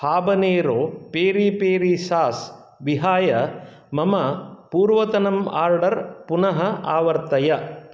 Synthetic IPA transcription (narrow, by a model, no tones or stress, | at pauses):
haːbɐneːɾoːpeːɾiːpeːɾiːʃaːs | ʋiɦaːjɐ | mɐmɐpuːɾʋɐt̪ɐnɐma̰ːɾɖɐɾpunɐɦɐaːʋɐɾt̪ɐjɐ